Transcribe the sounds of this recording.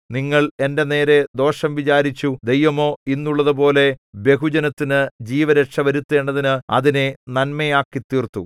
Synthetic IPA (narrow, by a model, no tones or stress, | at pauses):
niŋːɐɭe̞nde̞ne̞ːɾe̞d̪o̞ːʂɐmʋit͡ɕaːɾit͡ɕːud̪ejʋɐmo̞ːinːuɭːɐðɨbo̞ːle̞bje̞ɦud͡ʑɐnɐt̪ːinɨd͡ʑiːʋɐɾɐʈʂɐʋɐɾut̪ːe̞ːɳɖɐðinɨɐ̰ðine̞nɐnmejaːkːit̪ːiːrt̪ːṵ